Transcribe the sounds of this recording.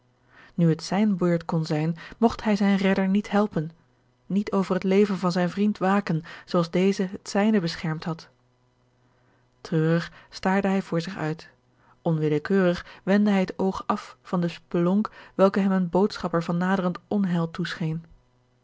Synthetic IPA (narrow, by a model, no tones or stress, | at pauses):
nyɦətsɛjnbøːɹtkɔnzɛjnmɔχtɦɛjzɛjnrɛdəɹnitɦɛlˠpənː | itʰowvərɦətlejvənvɑnzɛjnvrintʋaːkənzowɑlˠzdejzəɦətsɛjnəbəsχɛɹmtɦɑt | trøːrəχstaːɹdəɦɛjvʊːɹzɪχœ̰ɥt | ʔɔnʋɪləkøːrəχʋɛndəɦɛjətowχɑffɑndəspəlɔŋkʋɛlˠkəɦɛmənbowtsχɑpəɹvɑnːaːdərəntɔnɦɛlˠtusχejn